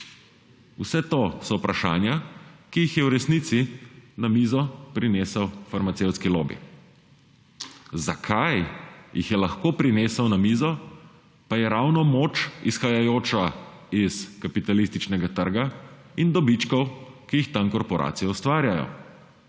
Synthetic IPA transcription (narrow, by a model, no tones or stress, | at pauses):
usɛt̪oːsɔwpɾaʃa̰ːnjakijixjɛwɾɛsnit̪sinamizɔpɾineːsəwfaɾmat̪sewt̪skilo̰ːbḭ | za̰kʰajjixjɛlaxkoːpɾineːsəwnamiːzɔ | pajɛɾawnɔmoːt͡ʃisxajajoːt͡ʃaiskapit̪alist̪it͡ʃnɛɡat̪əɾɡaind̪ɔbit͡ʃkɔwkijixt̪ankɔɾpɔɾʔa̰ːt̪sijɛust̪ʋaːɾjajɔ̰